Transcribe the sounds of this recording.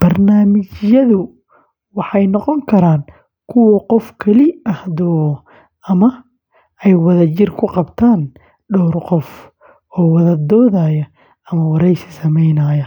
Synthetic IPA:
b̥ɐrnaːmɪt͡ʃjɐðʊ | wɑħɑjnɔqɔŋkʰɐɾaːn | kʰʊwɐqɔfkʰɐlɪɐhd̪ɔː | ɐmɐ | ɛjwɐðɐt͡ʃɪrkʰʊqɑbt̪ʰaːn | ɖɔːrqɔf | ɔːwɑðɐd̪ɔːðaːjɐ | ɐmɐwɑɾɛjsɪ̥sɐmɛjnɐjɐ

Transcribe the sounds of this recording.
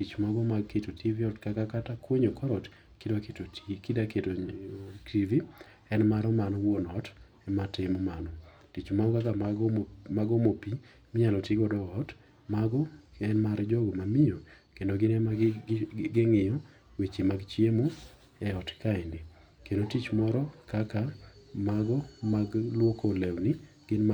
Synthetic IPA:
tit͡ʃmaɡɔmaketotʰiviɔtkakakatakwoɲokɔɾɔt | kɪdɔketokidaketotʰivi | ɛnmaɾɔmanɔwonɔt | ɛmatɪmɔmanɔ | tit͡ʃmaɡɔkakaɡmaɡɔmopi | mɪɲalɔtiɡɔdɔɔt | maɡɔɛnmaɾd͡ʒɔɡɔmamɪjokendoɡɪnɛ | ɡɪŋɪjɔ | wet͡ʃemaɡt͡ʃjemo | ɛɔtkaɪndɪ | kendotit͡ʃmɔɾɔkakamaɡɔmaɡlwokolewni | ɡ̥ɪnma

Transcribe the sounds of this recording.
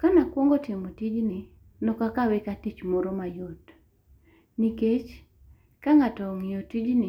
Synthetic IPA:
kanakwɔŋɡotɪmotid͡ʒnɪ | nɔkakawɪkatit͡ʃmɔɾɔmajot | niket͡ʃ | kaŋatɔŋɪjotid͡ʒnɪ

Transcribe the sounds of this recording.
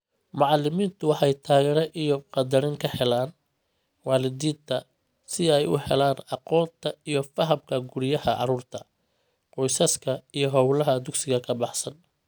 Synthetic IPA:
mɑʕɑlɪmiːnt̪ʰʊwɑħɑjt̪ʰaːɣɛːɾɐʔijɔqɑd̪ɐɾɪŋkʰɐhɛlaːn | wɑːlɪd̪iːnt̪ʰɐ | sɪɛjʊ̰hɛ̰laːnɑqɔːnt̪ʰɐijɞfɐɦɐmkʰɐɡʊɾɪjɐhɐʔɑ̰ɾuːrt̪ʰɐ | qɔjsɐskʰɐijɞɦɔwlɐɦɐd̪ʊɡsɪɣɐkʰɐbɑħsɐn

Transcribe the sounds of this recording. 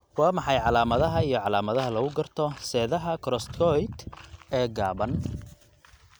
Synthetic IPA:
wɑːmɑħɑjʕɑlaːmɐðɐɦɐijɞʕɑlaːmɐðɐɦɐlɐɣʊɡɐrt̪ʰɔsɛːðɐɦɐkʰɾɔst̪kʰɔjt̪ɛːɡaːβɐn

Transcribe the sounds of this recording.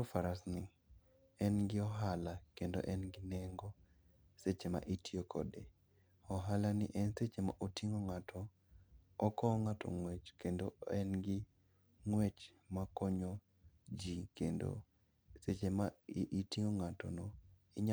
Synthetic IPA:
faɾasnɪ | ɛnɡɪɔɦalakendo̰ʔɛnɡɪneŋɡɔ | set͡ʃema̰ʔitʰiokʰɔ̰de | ɔɦalanɪʔɛnset͡ʃema̰ʔotiŋoŋatʰɔː | kɔŋatʰɔ̰ŋwet͡ʃkendoɛnɡɪ | ŋwet͡ʃ | makɔɲo | d͡ʒikendo̰ | set͡ʃemaʔitiŋoŋatɔ̰nɔ | ɪɲ

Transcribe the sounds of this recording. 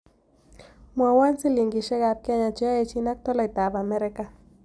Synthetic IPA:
mwawant͡siliŋɡiʃeɡap̚kiaɲat͡ʃeaet͡ʃinak̚t̪olait̪aβameɾeka

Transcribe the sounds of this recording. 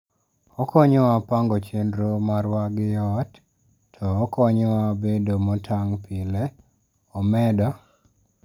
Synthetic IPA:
ɔkɔɲɔapaŋɡɔt͡ʃendɾomaɾwaɡɪjɔt | tʰɔːkɔɲɔwabedomɔtʰaŋpʰɪle | ɔmɛdɔ

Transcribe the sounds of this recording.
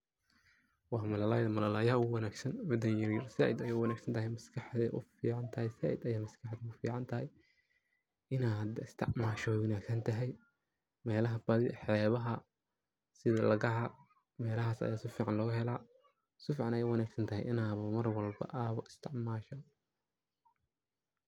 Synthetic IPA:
wɑːmɐlɐlaːjðɐmɐlɐlaːjɐʊwɐnaːɡsɐnʕʊd̪ɐjjɪɾjɪrsaʕɪd̪ɐjɛːwɑnaːɡsɐnt̪ʰɐɦɛjmɐskʰɐħd̪ɛ̰ʔʊ̰fḭːʕɑnt̪ʰɐhɛjsa̰ːʕɪ̰d̪ɐjaːmɐskʰɐħd̪ɛʊfḭːʕɑnt̪ʰɐɦɛj | ɪnaːd̪ɪst̪ʰɪ̰ʕmaːʃɔwɐnaːɡsɐnt̪ʰɐɦɛj | mɛːlɐɦɐbɐðɪħɛːβɐɦɐ | sɪðɐlɐɣɐʕɐ | mɛːlɐɦaːsɐ̰jaːsɪfiːʕɑnlɔːɣʊɦɛlaː | sɪfiːʕɑnɛjɛwɑnaːɡsɐnt̪ʰɐɦɛ̰jʔɪ̰naːβɐmɐrwɐlbɐ̰ʔaːβɐɪst̪ʰɪʕmaːʃɐ

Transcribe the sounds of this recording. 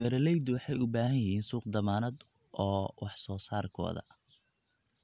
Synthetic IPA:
ɛɾɐlɛjd̪wɑħɑjʊbaːɦɐjjɐhiːnsuːqd̪ɐmaːnɐd̪ | ʔɔːwʔɑħsɔːsaːrkʰɔ̰ːðɐ̰

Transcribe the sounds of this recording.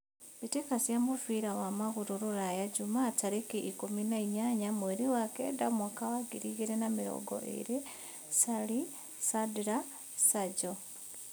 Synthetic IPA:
βitekasjamufiɾawamaɣuɾuɾuɾajaɟumaːtaɾikiʔikuminaiɲaɲamweɾiwakḛdamwakawaɡiɾiɣiɾenamiɾo̰ɡo̰ʔḭɾi | sali | sadiɾa | saɟo

